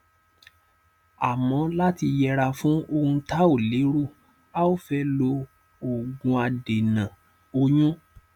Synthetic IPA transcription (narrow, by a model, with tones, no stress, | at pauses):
a˨mɔ̃˨˦la˦ti˧jɛ˧ɾa˧fũ˦o˧hũ˧ta˦o˦˨le˨˦ɾo˦˨ | a˦o˦fɛ˦lo˧ | o˨ɡũ˧a˧de˨nã˨ | o˧jũ˦